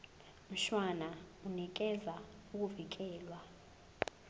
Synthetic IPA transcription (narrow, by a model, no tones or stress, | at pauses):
m̩ʃwanaunik̬ɛzauk̬ʼuvik̬ɛːlwa